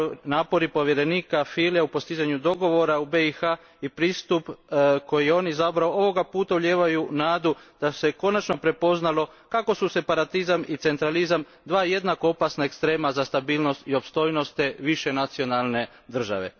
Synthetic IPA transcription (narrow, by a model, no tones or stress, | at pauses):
naːpo̞ɾipo̞ʋjeɾe̞niːkafiljaupo̞st̪izaɲud̪o̞ɡo̞ʋo̞ɾaubeixa | ipɾiːst̪upko̞jijeo̞ːniizabɾaoo̞ʋo̞ɡapuːt̪auʎe̞ːʋajunaːd̪ud̪̥ase̞ko̞nat͡ʃno̞pɾe̞po̞znalo̞ | kako̞suse̞paɾat̪izamit̪se̞nt̪ɾalizam | d̪ʋaːje̞d̪nako̞opasnaekst̪ɾe̞ːmazast̪abiːlno̞st̪io̞pst̪o̞jno̞st̪eʋiʃe̞nat̪sio̞nalˠne̞ | d̪r̩ʒa̰ʋe̞̰